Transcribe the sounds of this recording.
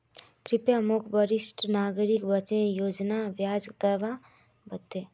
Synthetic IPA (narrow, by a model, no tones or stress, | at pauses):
kɾɪpjamukʰbəɾɪsʈnaːɡɾikbət͡ʃẽjoːd͡ʒnaʋjaːd͡ʒd̪əɾʋa | bət̪ːe